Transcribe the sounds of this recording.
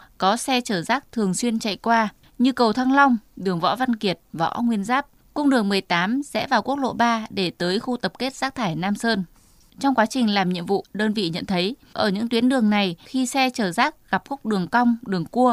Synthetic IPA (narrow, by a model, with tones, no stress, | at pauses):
kɔ˨˦sɛ˧t͡ɕəː˧˩zaː˦˥k̚t̪ʰɨ˨˩əŋswi˧ənt͡ɕa̰˧˨jkwaː˧ | ɲɨ˧kə˨˩wt̪ʰa˧ŋla˧wŋ͡mɗɨ˨˩əŋvɔ̰˧˥va˧nki˨˩ət̚vɔ̰˧˥ŋwi˧ənzaː˦˥p̚ | kʊ˧ŋ͡mɗɨ˨˩əŋmɨ˨˩əjt̪aː˨˦msɛ̰˧˥vaː˨˩wku˦˥ək̚lo̰˧˨ɓaː˧ɗe˧˩t̪əː˨˦jxu˧t̪ə˨˩p̚ke˦˥t̚z̥aː˦˥k̚t̪ʰaː˧˩jnaː˧msəː˧n | t͡ɕɔ˧wŋ͡mkwaː˨˦t͡ɕï˨˩ŋ̟laː˨˩mɲḭ˧˨əmvṵ˧˨ɗəː˧nvḭ˧˨ɲə̰˧˨nt̪ʰə˨˦jʔəː˧˩ɲɨ̰˧˥ŋt̪wi˨˦ənɗɨ˨˩əŋna˨˩jxi˧sɛ˧t͡ɕəː˧˩zaː˦˥k̚ɣa˨˩p̚xʊ˦˥k͡p̚ɗɨ˨˩əŋka˧wŋ͡mɗɨ˨˩əŋku˧ə